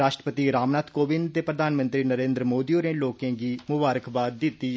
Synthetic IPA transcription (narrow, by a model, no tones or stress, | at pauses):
aːʃʈɾəpət̪iːɾaːmnaːt̪koːbɪnt̪eːpɾəd̪ʱaːnmə̃nt̪ɾiːnəɾẽːnd̪ɾəmoːd̪ioneːloːkẽːɡiːmʊbaːɾəkbaːd̪̚ːɪt̪ːiː